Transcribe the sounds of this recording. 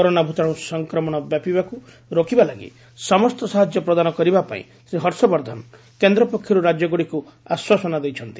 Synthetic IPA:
kɔɾonabʱut̪aɽ̃ũsɔŋkɾɔmɔɽ̃ɔbjapibaku | ɾokibalaɡḭ | sɔmɔst̪ɔsaɦad͡ʒjɔpɾɔd̪anɔkɔɾibapa̰ḭ̃ | seɦɔɾsɔbɔɾd̪ʱan | kend̪ɾɔpɔkʰjɔɾuɾad͡ʒjɔɡuɽiku | aswasɔnad̪ejt͡ʃʰɔnt̪i

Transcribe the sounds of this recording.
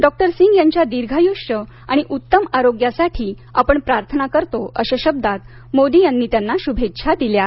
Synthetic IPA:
ɖɔk̚ʈəɾsiŋɡjaɲt͡ɕjad̪iɾɡʱajuʂə | a̰ɽ̃iʔut̪ːəmaɾoɡjasaʈʰiː | apəɳpɾaɾt̪ʰənakəɾt̪oəɕaɕəb̚d̪at̪ | mod̪ijanːiːt̪janːaɕubʱetːɕʰad̪ilja

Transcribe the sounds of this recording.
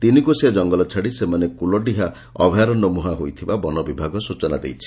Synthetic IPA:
t̪inikusead͡ʒɔŋɡɔlɔt͡ʃʰaɽisemanekulɔɖiɦa | ɔ̰bʱjaɾɔnɔmuɦaɦojt̪ʰibabɔnɔbibʱaɡɔsut͡ʃɔna̰d̪ḛjt͡ʃʰi̥

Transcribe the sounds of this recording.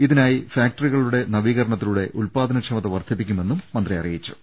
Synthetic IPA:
iðinaːjifjaːk̚ʈɐriɣɐɭuɽe̞nɐʋiːɣɐɾɐɳɐt̪ːiluɽe̞ʔulpaːd̪ʱɐnɐkʂɐmɐt̪ːɐʋɐrd̪ʰʱip̬ːikʲːume̞nːumːɐnd̪riɐ̰rijit͡ɕːu̥

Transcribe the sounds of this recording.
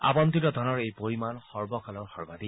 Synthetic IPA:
a̰bɔnt̪itɔd̪ʱɔnɔɹejpoɹimanxɔɹbɔkʰalɔɹxɔɹbad̪i

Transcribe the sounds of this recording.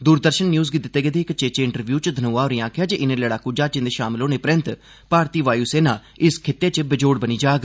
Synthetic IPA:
d̪uːɾd̪əɾʃənːjuːzɡɪt̪ɪt̪ːeːɡed̪eːkət͡ʃeːt͡ʃeːɪɳʈəɾʋjuːt͡ʃd̪ʱənoːaːoɾĩãːkʰɪjaːd͡ʒeʔɪnẽːləɽaːkuːd͡ʒaːt͡ʃɪ̃nd̪eːʃa̰ːmlõːneːpəɾənt̪ | paːɾt̪iːʋaːjuːseːnaː | ɪskʰɪt̪ːeːt͡ʃəbɪd͡ʒoːɽbəniːd͡ʒaːɡ

